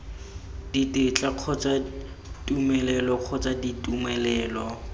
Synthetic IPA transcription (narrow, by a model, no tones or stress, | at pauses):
d̥itɪt͡ɬʼaq͡χʰɔt͡sʼa | tʼumɛlɛlɔq͡χʰɔt͡sʼaditʼumɛlɛːlɔ